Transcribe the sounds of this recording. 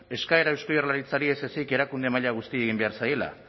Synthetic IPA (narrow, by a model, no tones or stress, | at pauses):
e̞skae̞ɾaewskojorlaɾit͡saɾie̞se̞sike̞ɾakund̪e̞maʎaɣ̞ust̪ie̞ɣimbe̞aɾsaje̞la̰